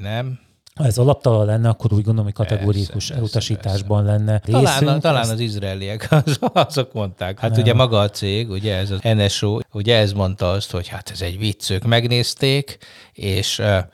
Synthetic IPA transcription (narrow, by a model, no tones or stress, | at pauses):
nɛm | hɒɛzɒlɒp̚t̪ɒlɒlɛnːɛɒkːo̞ɾuːɟɡo̞nd̪oomːo̥kɒt̪ɛɡoːɾijiuʃɛlut̪ɒʃiːt̪aːʒbɒnlɛnːɛɾeːlsaːnyt̪ɒlaːnɒzizraɛliɛkzɒzo̞kmo̞nt̪aːkhat̪uɟɛmɒɡɒːt̪seːɡuɟɛɛzɒɛnɛʃoːuɟɛɛsmo̞nt̪ɒɒst̪ho̞chat̪ɛzɛɟvit̪søːkmɛɡneːst̪eːkeːʃ